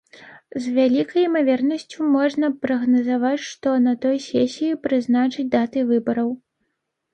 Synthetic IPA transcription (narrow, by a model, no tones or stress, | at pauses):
zvʲalʲikɐjimavʲɛrnɐsʲt͡sʲumɔʐnɐpɾɐɣnɐzavat͡sʲʂt̪ɔnɐt̪ɔjsʲɛsʲijipɾɨznat͡ʂɨt͡sʲd̪at̪ɨvɨbɐɾɐw